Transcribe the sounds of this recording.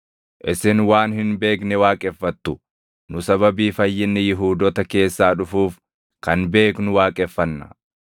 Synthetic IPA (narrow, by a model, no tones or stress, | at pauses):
ʔɪsɪnwaːnhɪnbe̞ːknɛwaːkʼɛfːɐt̪ːʊ | nʊsɐβɐbiːfɐjːɪnːɛjɪɦuːd̪ɔt̪ɐke̞ːsːaːᶑʊfuːf | kɐnbe̞ːknʊwaːkʼɛfːɐnːɐ̥̰